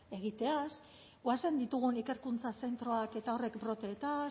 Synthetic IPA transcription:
e̞ɣ̞it̪e̞as | ɡoase̞nd̪it̪uɣ̞unike̞ɾkunt͡sase̞nt̪ɾo̞ake̞t̪ao̞re̞kbɾo̞t̪e̞ːt̪a

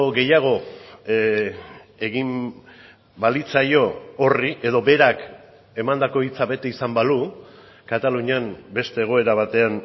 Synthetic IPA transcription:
oɣe̞jaɣ̞o̞ | e̞ɣim | balit͡sajo̞ːriʔe̞ðo̞be̞ɾak | e̞mand̪ako̞it͡saβe̞t̪e̞isambalu | kat̪aluɲambe̞st̪e̞ːɣ̞o̞e̞ɾaβ̞at̪e̞an

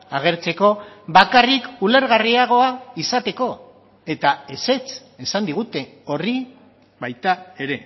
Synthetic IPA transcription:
aɣ̞e̞ɾt͡se̞ko̞βakarikule̞ɾɣariaɣ̞o̞aisat̪e̞ko̞ | e̞t̪ae̞se̞t͡s | e̞sand̪iɣ̞ut̪e̞ | o̞ri | bajt̪ae̞ɾe̞

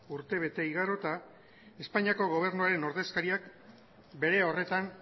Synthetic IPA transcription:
uɾt̪e̞β̞e̞t̪e̞iɣaɾo̞t̪a | e̞spaɲiako̞ɣ̞o̞β̞e̞ɾnuaɾe̞no̞ɾðe̞skaɾiak | be̞ɾe̞o̞re̞t̪an

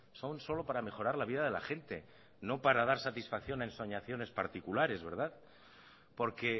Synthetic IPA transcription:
so̞nso̞lo̞paɾame̞xo̞ɾaɾlaβiðað̞e̞la̰xe̞nt̪e̞ | no̞paɾað̞aɾsat̪isfakθjo̞naenso̞ɲaθjo̞ne̞spaɾt̪ikulaɾe̞zβe̞ɾð̞að | po̞ɾke̞

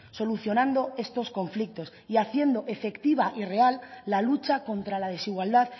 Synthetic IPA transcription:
so̞luθjo̞nãnd̪o̞e̞st̪o̞sko̞ɱflik̚t̪o̞siaθje̞nd̪o̞ʔe̞fe̞kt̪iβ̞aʔire̞alːalut͡ʃako̞nt̪ɾalað̞e̞siɣwald̪að

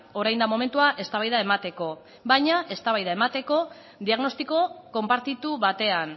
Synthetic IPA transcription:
o̞ɾajnd̪amo̞me̞nt̪uaʔe̞st̪aβ̞ajðae̞mat̪e̞ko̞ | βajɲaʔe̞st̪aβajðae̞mat̪e̞ko̞ | ðiaɣno̞st̪iko̞ko̞mpaɾt̪it̪uβat̪e̞an

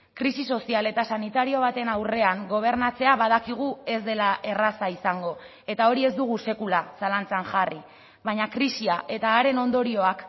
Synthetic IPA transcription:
kɾisiso̞siale̞t̪asanit̪aɾio̞β̞at̪e̞nawre̞aŋɡo̞β̞e̞ɾnat͡se̞aβað̞akiɣ̞ue̞zd̪e̞laʔe̞rasaisaŋɡo̞ | e̞t̪ao̞ɾie̞zd̪uɣ̞use̞kulasalant͡saŋʝari | βaɲakɾisiaʔe̞t̪aːɾe̞no̞nd̪o̞ɾio̞ak

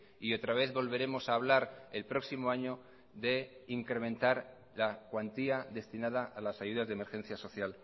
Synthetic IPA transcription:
io̞t̪ɾaβ̞e̞θβo̞lβe̞ɾe̞mo̞saːβ̞laɾelpɾo̞ksimo̞aɲo̞ | ðe̞iŋkɾe̞mẽnt̪aɾ | lakwant̪iaðe̞st̪inað̞aʔːlasajuð̞azðeme̞ɾxẽ̞n̟θjaso̞θjal

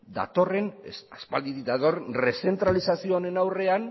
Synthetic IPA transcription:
d̪a̰t̪o̞re̞nsaspald̪iðiðat̪o̞renre̞se̞nt̪ɾalisasioːne̞nawre̞an

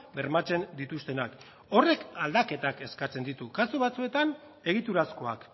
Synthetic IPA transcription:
be̞ɾmat͡se̞nd̪it̪ust̪e̞nak | o̞re̞kald̪ake̞t̪ake̞skat͡se̞nd̪it̪ukasuβat͡sue̞t̪an | e̞ɣ̞it̪uɾasko̞a̰k

